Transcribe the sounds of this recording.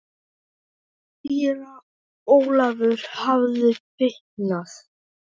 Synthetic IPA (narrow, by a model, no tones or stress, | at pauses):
fːiːɾa | oːwlavʏɾ̥havðɪfɪhtnaθ